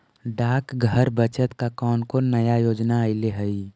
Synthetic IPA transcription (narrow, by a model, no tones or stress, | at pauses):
ɖaːkɡʱəɾbət͡ʃət̪kakɔːnkonəjajoːd͡ʒnaəɪleɦəi